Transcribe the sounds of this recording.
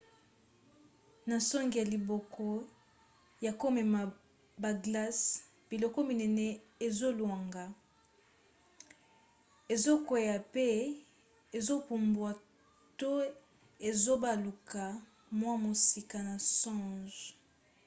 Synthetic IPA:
na˨sɔ˦ŋɡi˨ja˨li˨bɔ˨kʰɔ˦ | ja˨ko˦mɛ˨ma˨ | ba˨ɡla˦s | b̥i˨lɔ˨kɔ˦mi˨nɛ˨nɛ˨ | e˨zo˦lwa˨ŋɡa˨ | e˨zo˦kwe˨ja˨pe˦ | e˨zo˦pu˨mbwa˨ | to˦ | e˨zo˦ba˨lu˨ka˨ | mwa˦mo˨si˨ka˨na˨sɔ̃˦ʒ

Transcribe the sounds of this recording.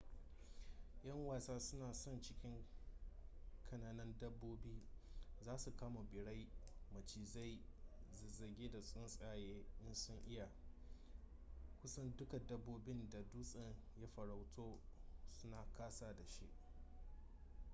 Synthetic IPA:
j̰ɐ˦ŋwaː˨saː˦sʊ˦naː˨sɔ˦nt͡ʃɪ˦kʲɪ˦ŋ | kʰɐ˨naː˨nɐ˦ndɐ˦bːoː˦biː˦zaː˦su˨kaː˦ma˨bɪ˨ɽa˦jmɐ˨t͡ʃiː˨za˦j | zɐ˨rɡʲeː˦da˨sʼʊ˦nsʼaː˦˨jeː˦ʔɪ˦nsʊ˦ŋʔɪ˦ja˨ | kʷʊ˦sɐ˦ndʊ˦ka˨dɐ˦bːoː˦bɪ˦nda˨duː˦sʼɐ˦˨ŋja˦ɸɐ˨ɾa˨wtʰoː˦sʊ˦naː˨kaː˦saː˦da˨ʃḭ˦ʔ

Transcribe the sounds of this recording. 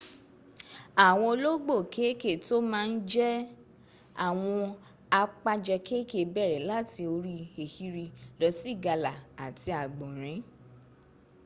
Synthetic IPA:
a˨w̃ɔ̃˧o˧lo˦ɡ͡bo˦˨kʰe˦ke˦˨to˦mãː˦˧n̩˦d͡ʒɛ˦ | a˦˨w̃ɔ̃˧ | a˧k͡pa˧d͡ʒɛ˧ke˦ke˨bɛ˦˨ɾɛ˨la˦ti˧o˧ɾi˦e˨hi˦ɾi˧lɔ˨˦si˦˨ɡa˧la˨a˨ti˧a˨ɡ͡bɔ̃˨ɾ̃ĩ˨˦

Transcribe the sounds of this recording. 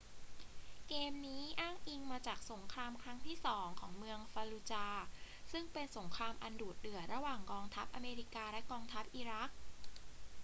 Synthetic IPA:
keː˧mniː˦˥ʔaː˥˩ŋʔi˧ŋmaː˧t͡ɕaː˨˩k̚so˩˦ŋkʰɾaː˧mkʰɾa˦˥ŋt̪ʰiː˥˩sɔː˩˦ŋkʰɔː˩˦ŋmɯ˧əŋfaː˧luː˧t͡ɕaː˧sɯ˥˩ŋpe˧nso˩˦ŋkʰɾaː˧mʔa˧nduː˨˩t̪̚dɯ˨˩əɾa˧waː˨˩ŋkɔː˧ŋt̪ʰa˦˥p̚ʔa˧meː˧ɾiː˦˥kaː˧lɛ˦˥kɔː˧ŋt̪ʰa˦˥p̚ʔiː˧ɾa˦˥k̚

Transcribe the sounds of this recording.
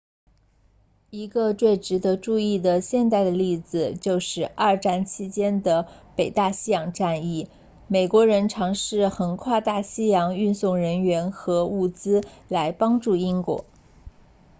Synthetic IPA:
i˧˥ɡə˧t͡swe˥˩ɪʈ͡ʂɻ̩˧˥d̪ɤ˧˥ʈ͡ʂu˥˧i˥˩d̪ə˩ɕjɛ˥˧nt̪a˥˩ɪd̪ə˩li˥˩d͡zɹ̩˨˩t͡ɕjo˥˧ʊʂɻ̩˥˧a˞˥˧ʈ͡ʂa˥˩nt͡ɕʰi˥t͡ɕjɛ˥nd̪ə˨ | pe˨˩ɪt̪a˥˩ɕi˥jɑ˨˩ŋʈ͡ʂa˥˧ni˥˩ | me˨˩ɪkwɔ˧˥ɻə˧˥nʈ͡ʂʰɑ˧˥ŋʂɻ̩˥˩xə˧˨˩nkʰwa˥˧t̪a˥˩ɕi˥jɑ˧˥ŋy˥˧nsʊ˥˩ŋɻə˧˥nɥɛ˧˥nxɤ˧˥u˥˩t͡sɹ̩˥la˧˥ɪpɑ˥ŋʈ͡ʂu˥˩i˥ŋkwɔ̰˨˩˦

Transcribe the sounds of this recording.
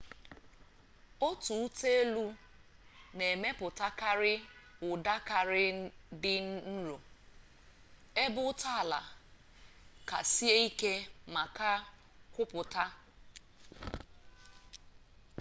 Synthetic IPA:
o˦tu˨u˦te˦e˦lu˦ | ne˨me˦pʊ˨ta˦ka˦ɾɪ˦ʊ˨da˦ka˨ɾɪ˦dɪ˦n˦n̩˦ɾo˨ | e˦bʊ˦ta˦a˨la̰˨ | ka̰˨si˦e˦i˦ke˦ma˨ka˦ | kʷʊ˦pʊ˨ta˦

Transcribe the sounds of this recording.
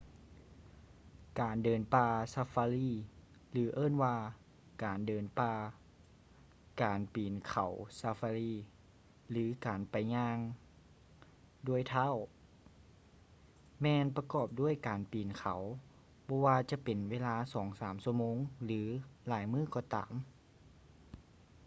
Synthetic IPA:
kaː˨˩ndɤː˨˩npaː˧saː˧faː˧liː˧˥˩ | lɯː˨˩˦ʔɤː˥˩˨nwaː˧ | kaː˨˩ndɤː˨˩npaː˧ | kaː˨˩npiː˨˩nkʰa˨˩wsa˧faː˧liː˧˩ | lɯː˨˩˦kaː˨˩npa˨˩jɲaː˧ŋ | du˧˥˩əjt̪ʰaː˧˥˨w | mɛː˧npa˧kɔː˧˩p̚du˥˩əjkaː˨˩npiː˨˩nkʰa˨˩˦w | bɔː˧waː˧t͡ɕa˧˦pe˨nweː˧laː˧˥sɔː˩˦ŋsaː˨˩˦msu˧˩əmoː˧˥ŋlɯː˩˦laː˩˦jmɯː˥˩˨kɔː˧˩t̪a̰ː˨m

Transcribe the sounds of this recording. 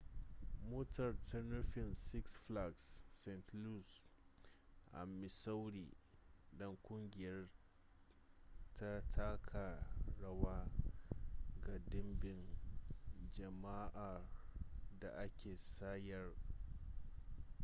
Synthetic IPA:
moː˦tʰɐ˨rtʰɐ˦nʊ˦ɸɪ˨nsɪ˦ksɸla˨ɡsːɛ˨ntlu˦˨s | ʔa̰˨mːɪ˨sa˦wɽḭː˨dɔ˦ŋkʷʼʊ˦ŋɡʲɪ˨jɐ˦r | tʰa˦tʰaː˦kʰa˨ɽɐ˦waː˦ | ɡa˨dɪ˦mbɪ˨ŋ | d͡ʒɐ˨ma˦ʔa˨ | da˨ʔa˦kʲʰeː˨saː˦jɐ˨r

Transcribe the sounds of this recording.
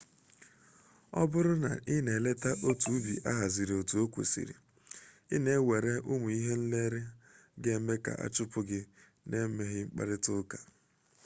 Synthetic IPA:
ɔ̰˦bʊ˦ɾʊ˦na̰˨ʔɪ˦ne˨le˦ta˦ʔo˦tu˨˦bḭ˨ʔa˦ɦa˨zi˨ɾi˨o˨tu˨o˦kʷḛ˨sḭ˨ɾḭ˨ | ɪ˦ne˦we˨ɾe˦ʔʊ˦mu˨i˦ɦe˦n̩˦le˦ɾɪ˦ | ɡe˦me˦ka̰˨ʔa̰˦t͡ʃʊ˦pʊ˦ɡɪ˦ | ne˦me˦ɣɪ˦ŋ͡m̩˦k͡pa̰˦ɾɪ˦tʊ˦ka˨

